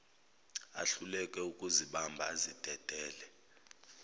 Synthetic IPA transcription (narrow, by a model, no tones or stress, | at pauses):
a̰ɬulɛkʼɛukʼuziɓambʱaːzid̥ʱɛd̥ʱɛːlɛ